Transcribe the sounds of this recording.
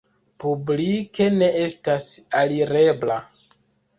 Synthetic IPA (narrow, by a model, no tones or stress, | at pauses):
publike̞ne̞e̞stasaliɾe̞bla